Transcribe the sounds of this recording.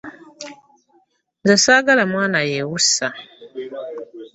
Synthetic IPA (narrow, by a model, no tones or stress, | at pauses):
nzasaɡalamwaːnajewusa